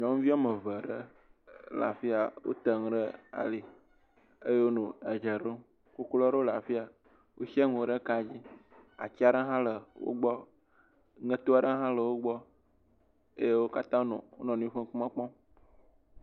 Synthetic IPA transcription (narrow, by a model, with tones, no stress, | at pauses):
ɲɔ̃˨˦m˦vi˦ɔ˦mə˨və˨ɖə˦ | la̰˨fi˦a˨wo̰˦t̪ə˨ŋ˨ɖə˦a̰˨li˨ | e˦je˦wo˦nũ˨ɛ˨d͡ʒə˨ɖo˦ | ku˦klɔ˦ɖə˦la˨fi˦a˨ | wo˦ʃi˦ɛ˦ŋũ˨ɖə˦ka˨d͡ʑi˦ | a̰˨t͡ʃi˦a˨ɖə˦ɦã˦lə˨wo̰˦ɡ͡bɔ˦ | ŋə̃˦t̪o˦a˨ɖə˦ɦã˦lə˨wo˦ɡ͡bɔ˦ | e˦je˦wo˦ka˦t̪ã˦nɔ̰̃˨wo̰˦nɔ̃˨nũ˦ɸə̃˦k͡pu˦mã˦k͡pɔ̃˦m